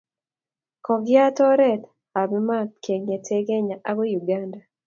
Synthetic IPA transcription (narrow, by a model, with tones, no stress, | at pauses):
kɔ˨ɡja˦tɔ˦ɾɛ˦˨t̪ | a˨bi˦ma˦tke˨ŋe˨tʰe˦ɡe˦ɲa˨ʔa˦ɡo˦ju˨ɡa˦nda˨